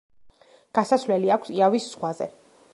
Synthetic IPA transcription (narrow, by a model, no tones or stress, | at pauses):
ɡ̥asasvlɛliakʷʰsiavisz̥ʁwazɛ̰